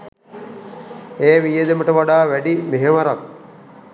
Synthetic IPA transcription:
eːʋijed̪eməʈəʋaɖaːʋæɖimeɦeʋaɾak̚

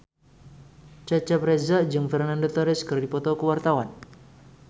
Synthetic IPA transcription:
t͡ʃat͡ʃapɾɛzad͡ʒɨŋfɛrnandot̪ɔɾɪskɨrdipɔt̪ɔkəwart̪awan

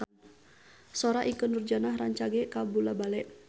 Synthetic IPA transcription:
sɔɾaʔikənurd͡ʒanaɦraɲt͡ʃaɡɛkabulabalɛʔ

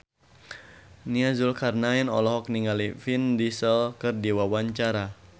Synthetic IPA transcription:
niazulkarnaɛnɔlɔɦɔk̚niŋalifindisəlkɨrdiwawaɲt͡ʃaɾa

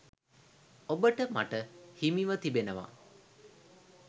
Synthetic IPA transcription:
obəʈəma̰ʈəhimiʋət̪ibenəʋa̰

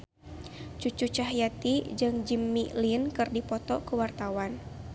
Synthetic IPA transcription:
t͡ʃut͡ʃut͡ʃaɦjat̪id͡ʒɨŋd͡ʒimːilinkɨrdipɔt̪ɔkəwart̪awan

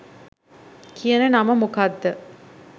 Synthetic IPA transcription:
kʰijənənaməmukad̪ːə

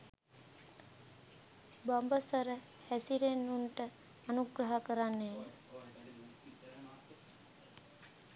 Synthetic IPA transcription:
bɔmbəsəɾə | hæsiɾenːuɳʈəː | nuɡɾəɦəkəɾanːej

